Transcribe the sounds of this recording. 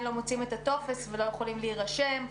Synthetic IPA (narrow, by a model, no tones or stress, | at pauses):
nlo̞mot͡sime̞t̪at̪o̞fe̞svelo̞jeχolimliːʁaʃe̞m